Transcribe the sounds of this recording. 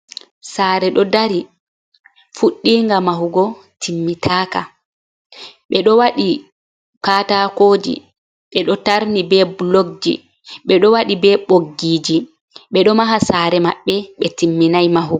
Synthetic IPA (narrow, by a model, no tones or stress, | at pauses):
saːɾɛɗɔdaɾi | fuɗːiŋɡamahuɡɔ | timːitʰaːka | ɓɛɗɔwaɗi | kaːtakoːd͡ʒḭ | ɓɛɗɔtaɾnibɛbloɡ̚d͡ʒḭ | ɓɛɗɔwaɗibɛɓoɡiːd͡ʒi | ɓɛɗɔmaɦasaːɾɛma̰ɓːɛɓɛtimːinajmaɦuɡɔ